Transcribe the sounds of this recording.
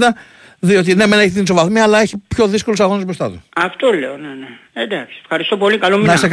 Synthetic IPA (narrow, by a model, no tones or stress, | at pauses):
t̪ɐ | ðio̞t̪̬ine̞mene̞çit̪ins̬ovɐθmiɐlɐe̞çipço̞ðisko̞lusɐɣo̞nuzbɾost̪ɐt̪ṵɐft̪o̞le̞onene | ed̪ɐksi̥efxɐɾist̪o̞po̞likɐlomniɐsek